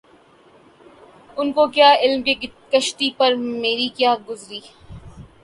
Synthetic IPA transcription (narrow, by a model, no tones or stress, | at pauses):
ʊnkokjaːɪlmkekɐʃʈ̪ipɐɾmeːɾikjaːɡʊzɾiː